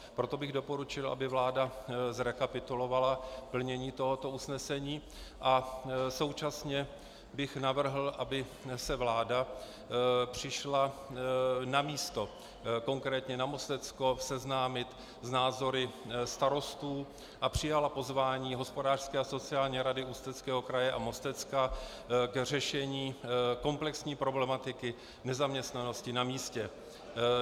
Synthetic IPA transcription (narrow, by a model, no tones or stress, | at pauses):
pɾo̞t̪o̞bɪɣdo̞po̞ɾut͡ʃɪlʔa̰bɪvlaːdazɾɛkapɪt̪ulo̞valapl̩ɲɛɲiːt̪o̞ɦo̞t̪o̞usnɛsɛɲiː | ʔaso̞wt͡ʃasɲɛ | bɪxnavr̩ɦl̩ʔabɪsɛvlaːda | pr̝̥ɪʃla | namiːst̪o̞ | ko̞ŋkɾɛːt̪ɲɛnamo̞st̪ɛt͡sko̞fsɛznaːmɪt̪ | znaːzo̞ɾɪst̪aɾo̞st̪uː | ʔapr̝̥ɪjalapo̞zvaːɲiːɦo̞spo̞daːr̥skɛːaso̞t͡sɪaːlɲɛɾadɪust̪ɛt͡skɛːɦo̞kɾajɛʔamo̞st̪ɛt͡ska | kr̝ɛʃɛɲiːko̞mplɛksɲiːpɾo̞blɛmat̪ɪkɪ | nɛzamɲɛst̪nano̞scɪnamiːscɛ